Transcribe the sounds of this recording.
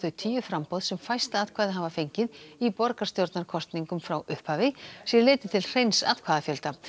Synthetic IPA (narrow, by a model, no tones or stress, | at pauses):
ʏt̪ʰiːjʏfɾampowðsɛmfajst̪aaðkʰvaːðɪɦavafejɲcɪðipɔɾkast̪jowɾt̪naɾkʰɔst̪niŋkʏmfɾawʔʏhphaːvɪsjɛlɪːt̪ɪt̪ʰɪlr̥ejnsa̰ðkʰvaːðafjœlt̪a